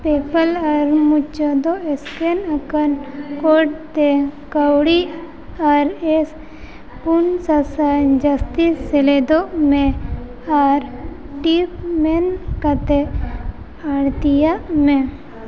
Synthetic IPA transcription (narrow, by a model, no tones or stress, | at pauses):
pepəlɐɾmut͡ʃad̪oeskenɐkənkoɖt̪ekɐwɽi | aɾes | punsasand͡ʒɐst̪isːeled̪omẽ | aɾ | ʈipmenkat̪e | aɽd̪ijamẽ